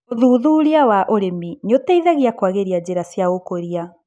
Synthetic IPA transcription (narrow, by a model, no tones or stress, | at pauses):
oðuːðuːɾiawaʔoɾeminotɛiðaɣiakwaɣeɾiad͡ʑeɾasjaɣokoɾia